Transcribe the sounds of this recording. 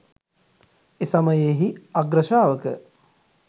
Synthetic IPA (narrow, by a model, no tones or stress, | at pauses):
esaməjeːɦiaɡɾəʃaːʋəkə